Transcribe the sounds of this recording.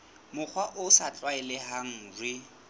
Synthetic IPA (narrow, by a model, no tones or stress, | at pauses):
mʊk͡xʰwaʔʊsat͡ɬʼwaɛlɛhaŋ̩ːrɪ